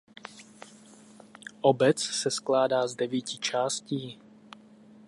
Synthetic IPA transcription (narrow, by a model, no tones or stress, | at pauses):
ʔobɛt͡ssɛsklaːdaːzdɛviːcɪt͡ʃaːsciː